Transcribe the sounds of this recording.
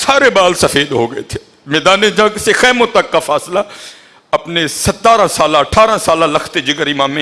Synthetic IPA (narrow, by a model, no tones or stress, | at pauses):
saːɾebaːlsɐfeːd̪ɦoɡɐḛt̪ʰe̥ | mɛːd̪aːnẽd͡ʒãkɪsexɛːmʊt̪ːɐkːafaːsla | ɐpnesɐt̪ːaːɾãsaːlãɐʈʰaːɾãsaːlãlɐkʰt̪ed͡ʒɪɡəɾimãːmẽ